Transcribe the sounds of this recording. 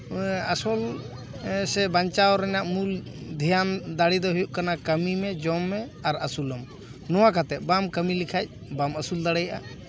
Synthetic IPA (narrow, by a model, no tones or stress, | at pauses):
əsɔl | sɛbaɲt͡ʃawɔɾɛnaʔmul | d̪ʱɛjand̪aɽid̪ɔɦujuʔkanakəmimɛd͡ʒɔmːɛaɾəsulɔm | nɔwakat̪ɛʔ̚bamkəmilikʰac̚ | baməsuld̪aɽɛjaʔa̰